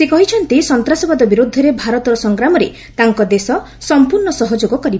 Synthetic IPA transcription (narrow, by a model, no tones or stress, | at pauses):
sekɔɦit͡ʃʰɔnt̪isɔnt̪ɾasɔbad̪ɔbiɾud̪ʱːɔɾebʱaɾɔt̪ɔɾɔsɔŋɡɾamɔɾe | t̪aŋkɔd̪esɔ | sɔmpuɾɳɔsɔɦɔd͡ʒoɡɔkɔɾibɔ